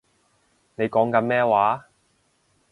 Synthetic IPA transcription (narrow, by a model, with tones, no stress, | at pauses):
ne˨˧jkɔː˨˥ŋkɐ˨˧nmɛː˥waː˨˥